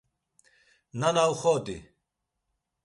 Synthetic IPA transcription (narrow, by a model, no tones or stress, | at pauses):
nanawχɔt̪ʼḭ